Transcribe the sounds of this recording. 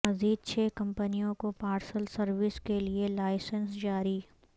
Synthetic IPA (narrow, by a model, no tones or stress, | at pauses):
ɐziːd̪̚t͡ʃʰeːkɐ̃mpənijõkopaːɾsəlsɐɾʋɪskelielaːɪsənsd͡ʒaːɾi